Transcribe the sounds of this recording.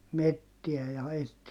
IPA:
metːiæ jɑ etːi

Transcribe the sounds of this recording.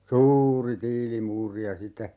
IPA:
suːuri tiːlimuːri jɑ sitːe

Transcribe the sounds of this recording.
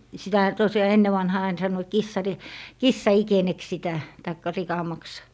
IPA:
sitæhæ tosjɑː enːe ʋɑnhɑː ɑin sɑnːoit kisːɑri kisːɑikeneks sitæ tɑikːɑ rikɑmɑks

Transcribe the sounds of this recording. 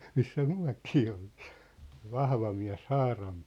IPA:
misːæ myæ̝kiː olti̥ː se ʋɑhʋɑ miæ̝s hɑːrɑm

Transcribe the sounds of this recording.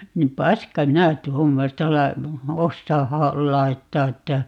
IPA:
ni pɑskɑ minæ tuomːostɑ lɑ osːɑː hɑ lɑi̯tːɑː etːæ

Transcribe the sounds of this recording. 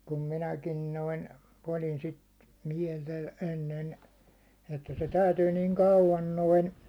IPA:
kum minækin noin olin sit miɛltæ enːen etːæ se tæytyː niːŋ kɑuʋɑn noin

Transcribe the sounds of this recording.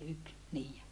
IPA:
yk niː

